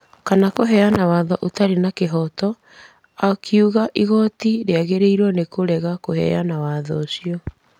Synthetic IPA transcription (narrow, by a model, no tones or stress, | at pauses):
kanakoɦɛanawaðɔʔotaɾenakeɦɔtɔ | akʰiuɣaʔiɣɔtiɾeaɣeɾeiɾwɔnekoɾɛɣakohɛ̰anawaːðɔosiɔ